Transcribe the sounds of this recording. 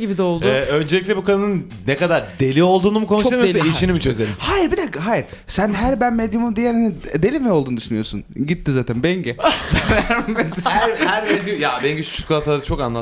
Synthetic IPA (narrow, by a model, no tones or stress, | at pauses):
ibid̪ɛolˠd̪ʊɛø̞nd͡ʒelʲic̬ʲlʲɛbukʰanɯnɯn | nekad̪aɾd̪e̞lʲio̞lˠd̪uːnumukʰo̞nuʃt̪emijsiʃinimit͡ʃʰø̞ze̞ɾʲimhajiɾbid̪ɛɦajiɾ̥ | sænɦæɾbænmed̪jumumd̪ijɛlʲhanid̪elʲimio̞lˠd̪uːnd̪yʃynyjo̞ɾsṵnɟit̪ːizaːt̪ʰænbɛɲɟɛsɛnɾnmed̪jhæɾhæɾmed̪jujabeɟist͡ʃʰy̥kʰulˠat̪ʰaat͡ʃʰo̞kanlˠat̪